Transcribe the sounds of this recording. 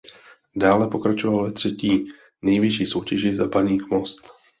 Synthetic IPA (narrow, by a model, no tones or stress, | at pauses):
daːlɛpo̞kɾat͡ʃovalvɛt̪r̝̥ɛciː | nɛjvɪʃiːso̞wcɛʒɪzabaniːkmo̞st̪